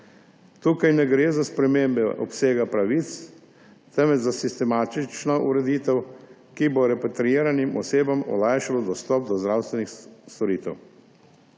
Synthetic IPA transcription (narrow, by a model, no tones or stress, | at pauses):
t̪uːkajnɛɡɾeːzaspɾɛmeːmbɛʔɔ̰pseːɡapɾaʋiːt̪s | t̪ɛmɛzasist̪ɛmaːt̪it͡ʃnɔʔuɾɛd̪iːt̪ɛw | kibɔɾɛpat̪ɾiiːɾanimɔ̰seːbamɔ̰laːjʃalɔd̪ɔst̪ɔp̚d̪ɔzd̪ɾawst̪ʋɛnixst̪ɔɾiːt̪ɛ̰w